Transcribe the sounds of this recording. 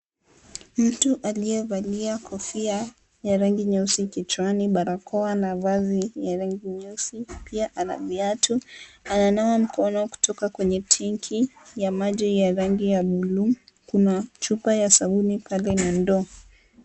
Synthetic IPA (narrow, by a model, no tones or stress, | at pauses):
m̩tuʔaliɛvaliakʰɔfia | jaɾaŋɡiɲusikit͡ʃwaniɓaɾakʰɔanavazijaɾaŋɡiɲusipiaʔana̰viatuananawam̩kʰɔnɔku̥tʰɔkakwɛɲɛtʰɛŋkʰijamaʄijaɾaŋɡijaɓulumkunat͡ʃupajasaɓunipʰalɛnandɔ